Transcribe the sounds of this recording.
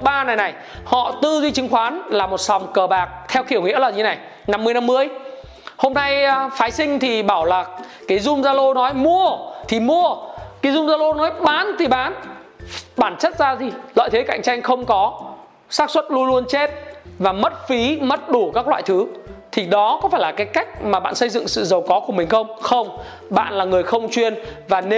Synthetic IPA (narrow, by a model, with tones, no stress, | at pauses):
ɓaː˧na˨˩jna˨˩j | hɔ̰˧˨t̪ɨ˧zi˧t͡ɕɨ˨˦ŋxwaː˨˦nlaː˨˩mo˨˩t̚sa˨˩wŋ͡mkəː˨˩ɓaː˨˩k̚t̪ʰɛ˧wxḭ˧˩əwŋḭ˧˥əlaː˨˩zna˨˩j | na˧mːɨ˧əjna˧mːɨ˧əj | ho˧mna˧jfaː˨˦jsï˧ŋ̟t̪ʰi˨˩ɓaː˧˩wlaː˨˩kaː˨˦jzʊ˧ŋ͡mzaː˧lo˧nɔ˨˦jmu˧ət̪ʰi˨˩mu˧əkaː˨˦jzʊ˧ŋ͡mzaː˧lo˧nɔ˨˦jɓaː˨˦nt̪ʰi˨˩ɓaː˨˦n | ɓaː˧˩nt͡ɕə˦˥t̚zaː˧zi˨˩la̰ː˧˨jt̪ʰe˨˦ka̰˧˨jŋ̟t͡ɕa˧jŋ̟xə˧wŋ͡mkɔ˨˦ | saː˦˥k̚swə˦˥t̚lu˧ənlu˧ənt͡ɕe˦˥t̚vaː˨˩mə˦˥t̚fi˨˦mə˦˥t̚ɗu˧˩kaː˦˥k̚lwa̰ː˧˨jt̪ʰɨ˨˦t̪ʰi˨˩ɗɔ˨˦kɔ˨˦faː˧˩jlaː˨˩kaː˨˦jka˦˥jk̚maː˨˩ɓa̰ː˧˨nsə˧jzɨ̰˧˨ŋsɨ̰˧˨zə˨˩wkɔ˨˦ku˧˩əmï˨˩ŋ̟xə˧wŋ͡mxə˧wŋ͡m | ɓa̰ː˧˨nlaː˨˩ŋɨ˨˩əjxə˧wŋ͡mt͡ɕwi˧ənvaː˨˩n˧